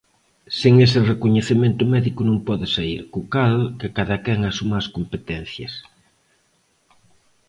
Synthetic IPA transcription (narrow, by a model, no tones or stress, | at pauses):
seŋesɪrekoɲeθemẽnt̪ʊmɛðikʊnõŋpɔðɪsaiɾkʊkalkɪkaðɐkɛŋasumaːskompet̪ɛn̟θjɐs